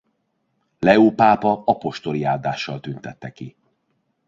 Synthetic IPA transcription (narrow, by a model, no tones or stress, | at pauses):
lɛoːpaːpɒɒpo̞ʃt̪o̞liaːd̪aːʃːɒlt̪ynt̪ɛt̪ːɛki